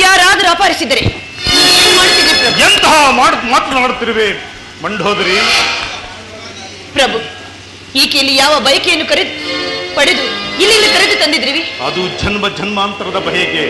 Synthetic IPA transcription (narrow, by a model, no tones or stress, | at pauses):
jaːɾaːd̪ɐɾaːpaːɾisid̪ːɐɾe | ieːnmaːɽt̪ːid̪ipɾɐbeɛnt̪ɐɦɐmaːɽmaːt̪naːɽut̪ːiɾiʋe | mɐɳɖɦoːd̪ɾi | pɾɐbʱu | iːkelːijaːʋɐbʱɐjɐkejɐnːukɐɾed̪pɐɽed̪uilːilːikɐɾed̪ut̪ɐnd̪id̪ɾiʋiɐ̰d̪ud͡ʒʱɐnmɐd͡ʒʱɐnmaːnt̪ɐɾɐd̪ɐbʱɐjɐɡe